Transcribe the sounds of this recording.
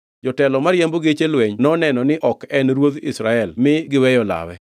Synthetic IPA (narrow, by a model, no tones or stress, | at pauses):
d͡ʒɔtɛlɔmaɾjamboɡet͡ʃelwɛɲnɔnɛnɔnɪʔɔkɛnɾwod̪isɾaɛlmɪɡɪwɛjɔla̰wɛ̰